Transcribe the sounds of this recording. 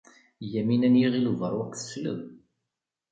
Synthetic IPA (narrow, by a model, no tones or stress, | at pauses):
jæminænjiʁiluvəɾˤwækːθə̥slə̰m